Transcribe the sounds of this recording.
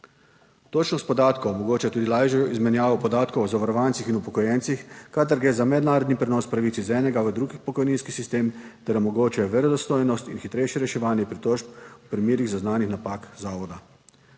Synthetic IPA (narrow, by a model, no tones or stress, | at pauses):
t̪ot͡ʃnɔst̪pɔd̪aːt̪kɔwmɔɡoːt͡ʃɛt̪uːd̪ilaʒjɔizmɛnjaːʋɔpɔd̪aːt̪kɔwɔzaʋaɾɔʋaːntsixinupɔkɔjɛnt̪sixkad̪aɾɡɾeːzamɛd̪naːɾɔd̪nipɾɛnɔːspɾaʋit̪sizɛːnɛɡaʋəd̪ɾuɡixpɔkɔjniːnskisist̪eːmt̪ɛɾɔmɔɡoːt͡ʃɛʋɛɾɔd̪ɔst̪oːjnɔst̪inxit̪ɾejʃjɛɾɛʃɛʋaːnjɛpɾit̪ɔʃpupɾimjeːɾiɣzaznaːnixnapakzaːʋɔd̪a